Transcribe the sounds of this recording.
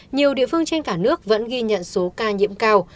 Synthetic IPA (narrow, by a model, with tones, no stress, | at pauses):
ɲi˨˩əwɗḭ˧˨əfɨ˧əŋt͡ɕe˧nkaː˧˩nɨ˦˥ək̚və̰˧˥nɣi˧ɲə̰˧˨nso˨˦kaː˧ɲḭ˧˥əmkaː˧w